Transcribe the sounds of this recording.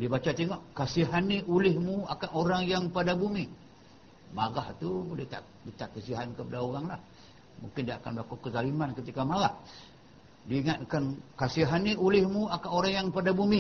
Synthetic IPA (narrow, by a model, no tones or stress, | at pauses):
dibat͡ʃat̪eŋɔʔkasiɦanːiʔulɪhmuakanoɾaŋjaŋpadabumi | maɡaht̪ubolɪht̪a̰ʔ | dit̪aʔkəsiɦankəpadaoɣaŋlah | muŋkɪndiaːkanbəlakukəzalimankət̪ikamalah | diːŋat̪̚kankasiɦanːiʔulɪhmuakanoɾaŋjaŋpadabumi